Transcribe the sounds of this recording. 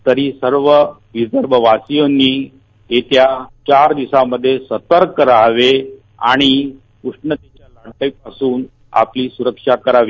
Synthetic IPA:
t̪əɾiːsəɾʋə | ʋid͡zəɾʋəʋasijonːiː | t̪et̪jat͡ɕaɾd̪isaməd̪ʱːjesət̪əɾkːəɾaʋe | aɽ̃i | kuʂɳət̪at͡ɕjalaɽʈəjpasuːn | a̰pliːsuɾəkʂakəɾaʋiː

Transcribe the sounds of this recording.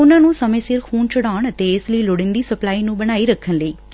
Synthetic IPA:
ʊnãːnũːsəmẽːsɪɾkʰuːnt͡ʃəɽaːɳət̪eːɪsləiːloɽɪ̃nd̪iːsəplaːiːnũːbəñaːiːɾəkʰːənləiː

